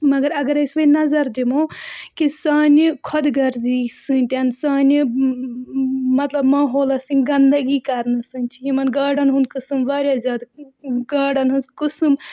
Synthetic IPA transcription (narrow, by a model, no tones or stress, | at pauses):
mɐɡɐɾɐɡɐɾisʋɐnɐzɐɾd̪imõːkisaːnʲikʰɔd̪ɡɐɾziːsɨːnʲt̪ʲansaːni | mɐt̪lɐbmaːɦoːlasɨ̃ŋɡɐnd̪ɐɡiːkɐɾnɨsɨnʲt͡ʃʰijimɐnɡaːɖɐnɦũnd̪̚kɨsɨmʋaːɾʲjaːzʲaːd̪ɡaːɖɐnɦunskɨsɨm